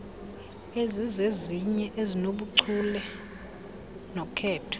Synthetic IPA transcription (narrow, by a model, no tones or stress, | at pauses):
ezizeziɲɛʔezinoɓuǀʰulɛ | nɔkʰɛːtʰɔ̥